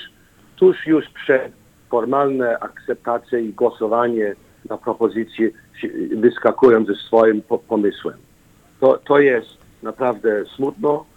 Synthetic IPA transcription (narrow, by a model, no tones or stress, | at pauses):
t̪uʂjuʂpʂɛt̪ | fɔɾmalnɛʔakt̪sɛp̚t̪at̪sʲjɛiɡwɔsɔvaɲɛ | napɾɔpɔzɘt̪sʲji | ɛvɘskakujɔnt̪zɛsfɔjimpɔmɘswɛm | t̪ɔt̪ɔjɛst̪ | napɾavd̪ɛsmut̪nɔ